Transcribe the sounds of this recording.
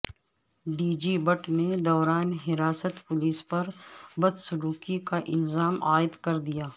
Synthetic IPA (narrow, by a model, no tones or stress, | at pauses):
ɖiːd͡ʒiːbɐʈned̪ɔːɾaːnɦɪɾaːsət̪pʊliːspɐɾbɐd̪sʊɾuːkikaʔɪlzaːmaːɪd̪kɐɾd̪ijaː